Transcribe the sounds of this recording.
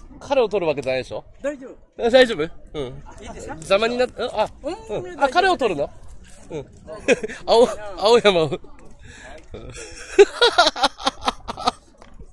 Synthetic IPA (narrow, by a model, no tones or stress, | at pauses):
kʰaɾe̞o̞t̪o̞ɾɯ̟βake̞d͡ʑanajd̪eɕo̞̰ | d̪aiʑoːbɯ̟ɯ̟̃ | d͡ʑamaɲ̟inatɯ̃ʔaɯ̟̃akaɾe̞o̞t̪o̞ɾɯ̟noɯ̟̃ | aoaojamao | ɯ̰̃